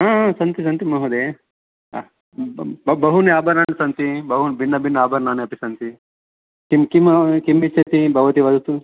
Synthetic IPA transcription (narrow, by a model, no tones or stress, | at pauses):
ɦaːasɐnt̪is̬ɐnt̪imɐɦud̪e | bɐbɐɦuneaːbɐɾnaːnesɐnt̪ibɐɦunbʱinːɐbʱinːɐaːbɐɾnaːneɐpisɐnt̪i | kimkimkimːit͡ʃɐt̪ibʱɐʋɐt̪iʋɐd̪ut̪u